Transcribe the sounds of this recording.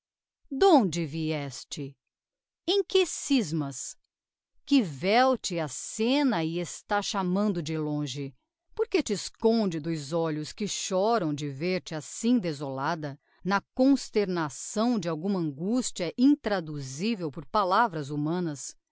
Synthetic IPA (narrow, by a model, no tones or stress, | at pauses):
d̪õd͡ʒɪviɛst͡ʃɪ | ẽj̃kɪsizmɐs | kɪvɛwt͡ʃɪasẽnɐɪest̪aʃamɐ̃nd̪ʊd͡ʒɪlõʒɪ | poɾket͡ʃɪːskõd͡ʒɪd̪ʊjzɔʎʊskɪʃɔɾɐ̃w̃d͡ʒɪveɾt͡ʃɪasĩd̪ezolad̪ɐ | nɐkõst̪eɾnasɐ̃w̃d͡ʒɪawɡũmɐɐ̃ŋɡust͡ʃiɐʔĩt̪ɾad̪uzivewpoɾpalavɾɐzumɐ̃nɐs